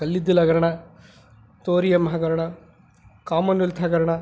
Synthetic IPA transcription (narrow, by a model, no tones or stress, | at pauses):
ɐlːid̪ːilɐɡɐɾɐɳɐ | t̪oːɾijɐmɐɦɐɡɐɾɐɳɐ | kaːmɐnult̪ʰɐɡɐɾɐɳɐ